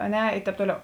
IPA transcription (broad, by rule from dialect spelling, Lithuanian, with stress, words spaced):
ɐ ˈnʲɛ ˈɪ ˈtʲɛːp ˈtoːˌlʲɛʊ